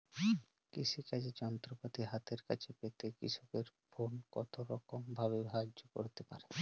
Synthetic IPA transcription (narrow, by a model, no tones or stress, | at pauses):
kiʃʰikad͡ʑʰet͡ɕɔnt̪ɾopat̪iɦat̪eɾka̰t͡ɕʰepet̪ekḭʃʰokeɾfonkɔ̰t̪oɾɔkombʱaβebɦad͡ʑoko̰ɾt̪epa̰ɾe